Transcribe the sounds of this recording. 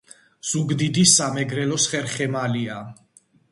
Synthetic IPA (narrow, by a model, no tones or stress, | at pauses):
z̥uɡd̪id̪isːamɛɡɾɛlɔsχɛɾχɛmalia